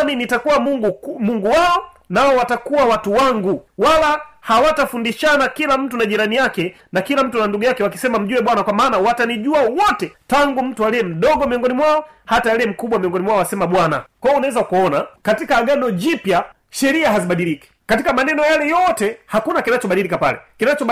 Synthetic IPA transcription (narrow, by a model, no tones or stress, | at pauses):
ninitakuwamuɡumuŋɡuwaɔ | naɔwatakuwawatuwaŋɡuwalahawatafundiʃanakilam̩tunaʄiɾanijakɛ | nakilam̩tunanduɡujakɛwakisɛmam̩ʄuɛɓwanakwamaːnawataniʄuawɔtɛtaŋɡum̩tualɛɛm̩ɗɔɡɔmiɔŋɡɔnimwaɔ | hataalɛɛm̩kuɓwamiɔŋɡɔnimwaɔasɛmaɓwana̰kwaɔnawɛzakuɔnakatikaːɡanɔʄipja | ʃɛɾiaɦaziɓaɗiliki̥katikamanɛnɔjalɛjɔtɛhakunakinat͡ʃɔɓaɗilikapa̰lɛ̰kinat͡ʃɔ